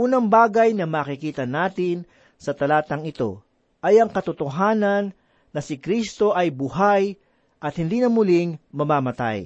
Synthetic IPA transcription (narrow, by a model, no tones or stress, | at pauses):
ʔuːnɐŋbaːɡɐjnɐmaːkɪkiːt̪ɐnaːt̪ɪn | sɐt̪ɐlaːt̪ɐŋɪt̪o̞̰ | ʔɐjɐŋkɐt̪ʊt̪oɦaːnɐnː | ɐsɪkɾist̪o̞ʔɐjbʊɦaj | ʔɐt̪hɪnd̪iːnɐmʊlɪŋmɐmaːmɐt̪a̰j